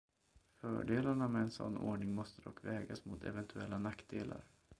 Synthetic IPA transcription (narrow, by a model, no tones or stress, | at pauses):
fœ̰ːɖeːlaɳamɛɛnsɔ̰nːoːɳɪŋmɔst̪əd̪ɔkːvɛːɡasmʊt̪ʰɛ̰vɛnt̪ʰɵɛlːanakːd̪eːla̰ɾ